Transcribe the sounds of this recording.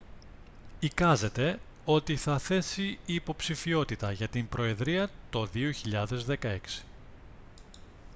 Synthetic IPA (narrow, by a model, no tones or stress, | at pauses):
ikɐze̞t̪e̞ | o̞t̪iθɐθe̞siiːpo̞psifio̞t̪it̪ɐʝɐt̪imbɾo̞e̞ðɾiɐt̪o̞ðioçiʎɐðe̞zðe̞kɐe̞ksi̥